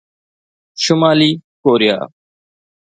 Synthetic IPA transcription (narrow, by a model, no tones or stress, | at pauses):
ʃʊmaːliːkoːɾɪja̰ː